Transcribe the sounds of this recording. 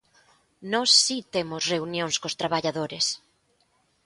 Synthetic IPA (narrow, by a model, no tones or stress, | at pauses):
nɔsːit̪emʊsreunjõŋskost̪ɾaβaʎaðoɾes